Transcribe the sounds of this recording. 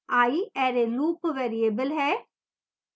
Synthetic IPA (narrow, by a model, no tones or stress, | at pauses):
aːiɛːɾeluːpʋɛːɾieːbəlɦɛː